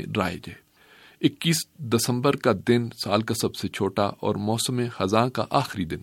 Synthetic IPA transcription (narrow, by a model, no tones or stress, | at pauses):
ɾa̰ːḛd͡ʒaːe | ɪkːiːsd̪ɐsə̃mbəɾkad̪ɪnsaːlkasɐbset͡ʃʰoːʈaʔɔ̰ːɾmɔːsəmẽxɐzãːka̰ʔaːxɪɾid̪ɪn